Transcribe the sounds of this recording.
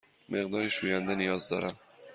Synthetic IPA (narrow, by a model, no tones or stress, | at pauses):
mʔeɣd̪ɒːɾiːʃuːjænd̪enijɒːzd̪ɒ̰ːɾæm